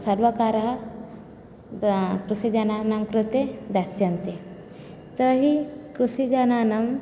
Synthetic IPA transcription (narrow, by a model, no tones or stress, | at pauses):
sɐɾʋɐkaːɾɐɦɐ | kɾusid͡ʒɐnaːnɐmkɾut̪ed̪asjɐnt̪e | t̪ɐɾɦikɾusid͡ʒanaːnɐm